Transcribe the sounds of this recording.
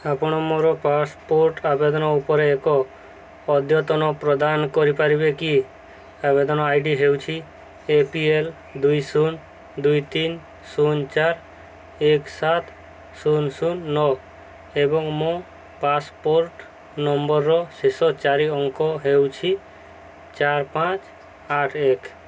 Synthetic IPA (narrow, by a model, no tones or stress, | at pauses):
apɽ̃ɔmoɾɔpaspoɾʈabed̪ɔnɔupɔɾeːkɔː | d̪ʱjɔt̪ɔnɔpɾɔd̪ankɔɾipaɾibeki | aβed̪ɔnɔajɖiɦewt͡ʃʰi | epiel | d̪ujsun | d̪ujt̪in | sunt͡ʃaɾ | eksat̪ | sunsunːɔ | ebɔŋmɔ̃ | paspoɾʈ | nɔmbɔɾːɔsesɔt͡ʃaɾiɔŋkɔɦewt͡ʃʰi | t͡ʃaɾpãt͡ʃ | aʈʰek